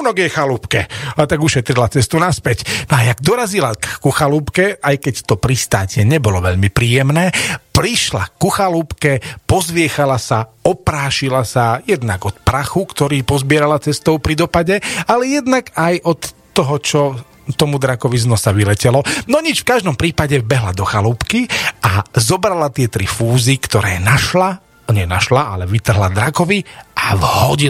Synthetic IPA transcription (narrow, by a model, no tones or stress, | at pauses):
nɔɡjɛxaluːpkɛat̪aɡuʃɛt̪ɾilat͡sɛst̪unaspɛcnɔajaɡd̪ɔɾazilakːuxaluːpkɛajkɛct̪ɔpɾist̪aːcɛɲɛbɔlɔʋɛʎmipɾiːjɛmnɛːpɾiʃla̰kuxaluːpkɛpɔzʋɪɛxalasaɔpɾaːʃilasajɛd̪naɡɔt̪pɾaxukt̪ɔɾiːpɔzbɪɛɾalat͡sɛst̪ɔʊpɾid̪ɔpaɟɛalɛjɛd̪naɡajʔɔt̪ː | ɔɦɔt͡ʃɔ | t̪ɔmud̪ɾakɔʋiznɔsaʋilɛcɛlɔnɔɲit͡ʃfkaʒd̪ɔmpɾiːpaɟɛbɛɦlad̪ɔxaluːpkiazɔbɾalat̪ɪɛt̪ɾifuːzikt̪ɔɾɛ̰ːnaʃla | ɲɛnaʃlaʔa̰lɛʋit̪r̩ɦlad̪ɾakɔʋiʔavhɔɟi